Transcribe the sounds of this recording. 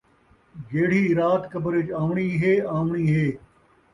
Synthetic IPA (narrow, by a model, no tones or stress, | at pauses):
ɡeːɽ̤iːɾaːt̪kɐbəɾɪt͡ʃãːʋɳiːɦeːaːʋɳiːɦeː